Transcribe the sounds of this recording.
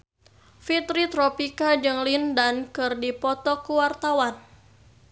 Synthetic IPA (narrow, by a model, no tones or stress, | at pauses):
fit̪ɾit̪ɾɔpikad͡ʒɨŋlindankɨrdipɔt̪ɔkuwart̪awan